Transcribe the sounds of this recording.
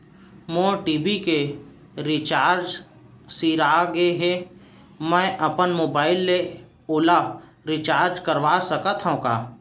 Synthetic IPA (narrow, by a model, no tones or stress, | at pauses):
moːʈiːbike | ɾɪt͡ʃaːɾd͡ʒ | siːɾaɡeɦe | mɛ̃ːʔəpənmoːbaːɪlːe | ʊla | ɾɪt͡ʃaːɾd͡ʒkəɾʋasəkət̪ʰɦõka̰ː